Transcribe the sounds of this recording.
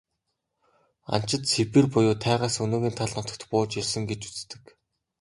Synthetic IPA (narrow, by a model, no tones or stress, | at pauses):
a̰n̥t͡ɕɪ̆t̪sepĭːrpʊjʊːt̪ʰæːʁaːsɵnoːɣʲiːnt̪ʰaɮnɔt̪ɞ̆k̚t̪pʊːt͡ɕirʲsɘ̆ŋɡet͡ɕu̥t͡st̪ɘ̆k